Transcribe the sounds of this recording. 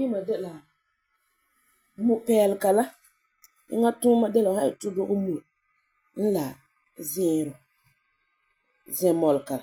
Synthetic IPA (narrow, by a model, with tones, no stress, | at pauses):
i˦ma˨dɛ˦la˨ | mu˦pɛː˦lɪ˨ka˨la˦ | ɪ̰˦ŋa˦tuː˦ma˦dɛ˦la˨ha˦ɪ˨tʊ˦do˦ʔʊ˦mu˨ | n̩˦la˨ | zɪ˦˨ɾʊ˨ | zɛ˨mɔ˨lka˨l